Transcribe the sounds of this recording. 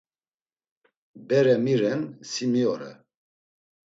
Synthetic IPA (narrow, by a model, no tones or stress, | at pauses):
bɛɾɛmiɾɛnsimiɔɾɛ̰